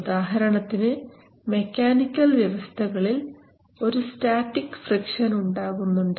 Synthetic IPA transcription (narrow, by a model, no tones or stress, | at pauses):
d̪aːɦɐɾɐɳɐt̪ːinɨ | me̞kʲːaːnikʲːɐlʋjɐʋɐst̪ʰɐɣɐɭil | o̞ɾustaːtːikːfrikʂɐnuɳɖaːɣunːuɳɖ